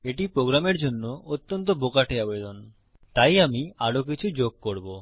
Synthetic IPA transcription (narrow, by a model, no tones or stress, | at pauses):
eʈipɾoɡɾameɾd͡ʑonːoot̪ːɔnt̪̬obokaʈeabed̪on | t̪ajamiaɽok̬it͡ɕʰud͡ʑoɡ̚koɾbo